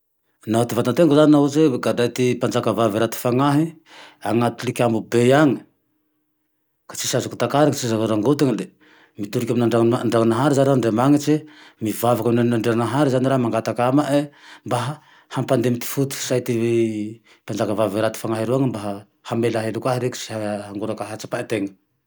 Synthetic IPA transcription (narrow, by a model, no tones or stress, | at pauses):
naat̪ivat̪ant̪eŋɡuzaninaɦuzeɡad̪ajt̪ipand͡ʒakavaviɾat̪i̥faŋaɦi | aŋat̪ulikʲambubejaŋi̥ | kḁt͡ʃi̥sazuku̥t̪akaɾaŋt͡sizakaɾaŋɡot̪iŋile | mit̪uɾikʲaminaɳɖ͡ʐanɳɖ͡ʐaŋanaɦaɾizaɾaɳɖ͡ʐemaŋit͡ʃemivavakaminanaɳɖ͡ʐeɾanaɦaɾizaniɾaɦmaŋɡat̪akamaʔembaɦ | hampand̪emit̪i̥fut̪i̥sajt̪ie | pand͡ʒakavaviɾat̪i̥faŋaɦiɾuaŋimbaɦa | hamelaɦelukwaɦiɾeku̥si̥aɦaŋɡuɾakaɦat͡ʃḁpaet̪eŋə̥